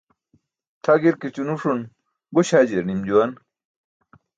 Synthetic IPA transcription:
t̪ʰaɡiɾkit͡ɕunuʂun | buɕaːd͡ʑeɾnimd͡ʑuwan

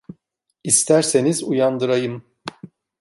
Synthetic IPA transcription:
ist̪ʰæɾse̞nizujand̪ɯɾajɯm

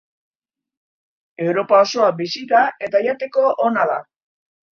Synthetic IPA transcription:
e̞wɾo̞pao̞so̞abisit̪ae̞t̪ajat̪e̞ko̞ʔonaða̰

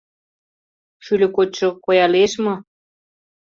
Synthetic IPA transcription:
ʃylʲɘ̆kot͡ɕʃŏkojɑleʃmo

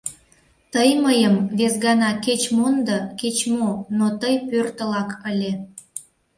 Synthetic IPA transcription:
t̪əjməjəmβesɣɑnɑket͡ɕmond̪əket͡ɕmonot̪əjpørt̪əlɑkəlʲe

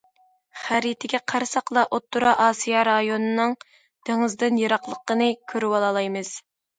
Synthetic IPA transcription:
χæɾit̪ʰɪɡʲɛqʰɑɾsɑqlˠɑʔot̪ːuɾɑʔɑːsijɑɾɑjonɨnɨŋ | d̪̥eŋɨzd̪ɨnjɑɾɑqlˠəqːənɨkʲʰøɾywɑlˠɑlˠɑjmɨz̥

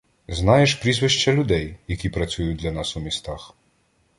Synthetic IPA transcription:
znajɛʃpɾʲizʋɪʃt͡ʃɐlʲʊd̪ɛjjɐkʲipɾɐt͡sʲujʊd̪lʲɐnasumʲist̪ax

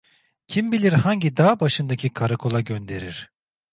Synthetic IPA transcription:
cʰimbilʲiɾhaɲɟid̪aːbaʃɯnd̪acʰikʰaɾakʰo̞lˠaɟønd̪e̞ɾiɾ̥

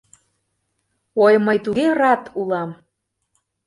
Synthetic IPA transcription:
ojməjt̪uɣerɑt̪ʰulɑm

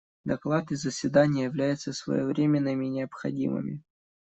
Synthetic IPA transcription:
d̪ɐklˠat̪ɪzəsʲvʲɪd̪anʲɪjəjɪvlʲæjʊt̪səsvə̰jovɾʲemʲɪnːɨmʲɪnʲɪəpxɐ̰dʲḭmɨ̰mʲɪ̰

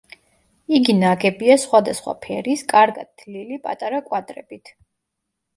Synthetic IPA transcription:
iɡinaɡɛbiasχwad̪asχwa̰pʰɛɾiskʼaɾɡad̪̚d̪lilipʼa̰t̪ʼaɾakʼwad̪ɾɛ̰b̥it̪ʰ

